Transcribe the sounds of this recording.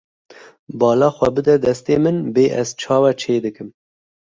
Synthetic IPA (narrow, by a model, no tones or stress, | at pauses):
bɑːlɑːxʷɛbɨd̪ɛd̪ɛst̪eːmɨnbeːʔɛ̰zt͡ʃʰɑːwɛt͡ʃʰeːd̪ɨkɨm